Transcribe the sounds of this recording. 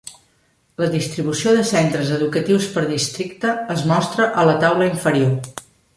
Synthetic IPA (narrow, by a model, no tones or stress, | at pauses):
ləðist̪ɾiβusioðəsent̪ɾəzəðukət̪iwspəɾðist̪ɾik̚t̪əəzmɔst̪ɾəʔələt̪awləiɱfəɾio